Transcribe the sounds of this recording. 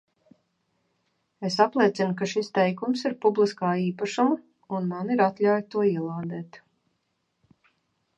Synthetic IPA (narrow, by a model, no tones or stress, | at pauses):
esaplˠiɛt̪sinkaʃist̪ɛjkumsiɾpublˠiskaːiːpaʃuma | unmaniɾat̪lʲaːjt̪uɔiɛlˠaːd̪ɛːt̪